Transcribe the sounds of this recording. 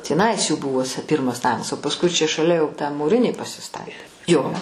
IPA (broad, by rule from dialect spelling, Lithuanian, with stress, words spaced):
tʲiːˈnɐɪs juː ˈbʊʋoːs ˈpʲɪrmɐs ˈnɑːmɐs oː pɐsˈkʊɪ t͡ʃʲɛ ʃɐˈlʲɛ jɛʊ tɑː muːˈrʲɪnʲiː pɐsʲɪˈstɑːtʲeː ˈjoː